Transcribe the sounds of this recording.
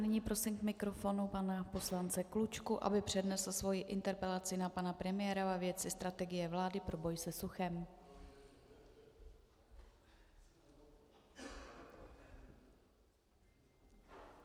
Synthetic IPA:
nɪɲiːpɾo̞simkmɪkɾo̞fo̞nupanapo̞slant͡sɛklut͡ʃkuʔa̰bɪpr̝̥ɛdnɛsl̩svo̞jɪʔɪnt̪ɛɾpɛlat͡sɪnapanapɾɛmɪjɛːɾavavjɛt͡sɪst̪ɾat̪ɛɡɪjɛvlaːdɪpɾo̞bo̞jsɛsuxɛm

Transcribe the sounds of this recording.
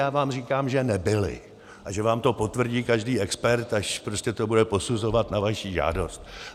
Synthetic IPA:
jaːvaːmr̝iːkaːmʒɛnɛbɪlɪ̰ | ʔaʒɛvaːmt̪o̞po̞t̪vr̩ɟiːkaʒdiːɛkspɛɾt̪aʃpɾo̞scʲɛt̪o̞budɛpo̞suzo̞vat̪navaʃiːʒa̰ːdo̞st̪̚

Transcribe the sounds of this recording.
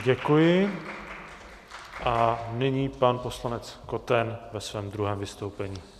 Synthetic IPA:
ɟɛkujɪ | ʔanɪɲiːpanpo̞slanɛt͡sko̞t̪ɛnvɛsvɛːmd̪ɾuɦɛːmvɪst̪owpɛɲiː

